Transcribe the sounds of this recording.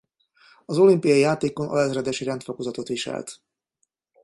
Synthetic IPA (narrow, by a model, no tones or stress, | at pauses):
ɒzo̞limpijɒjijaːt̪eːkonʔɒ̰lɛzrɛd̪ɛʃiɾɛnt̪fokozɒt̪o̞t̪ʋiʃɛ̰lt̪